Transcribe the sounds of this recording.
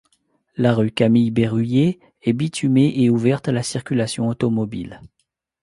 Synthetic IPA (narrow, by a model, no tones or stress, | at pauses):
laʁykamijbeʁyje | ɛbit̪ʰymeʔeuvɛʁt̪alasiʁkʲylasjɔ̃ot̪ɔmɔbḭl